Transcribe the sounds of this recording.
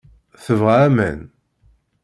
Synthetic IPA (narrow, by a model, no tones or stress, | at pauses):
θəvʁamæ̰n